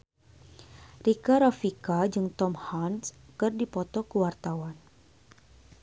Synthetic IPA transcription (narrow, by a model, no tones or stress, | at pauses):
rikaɾafikad͡ʒɨŋt̪ɔmhanskɨrdipɔt̪ɔkəwart̪awan